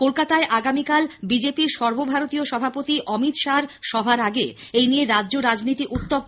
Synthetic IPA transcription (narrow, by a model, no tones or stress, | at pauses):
kolkat̪aeʔaɡamikalbid͡ʑepiɾʃɔɾbobʱaɾot̪ioʃɔbʱapot̪iʔɔmit̪ʃaɾʃɔbʱaɾaɡeejnijeɾadʑoɾad͡ʑnit̪iʔut̪ːo